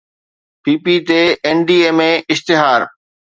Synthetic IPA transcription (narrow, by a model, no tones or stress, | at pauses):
piːpit̪eɛːnɖiːeːmẽɪst̪ɪɦaːɾ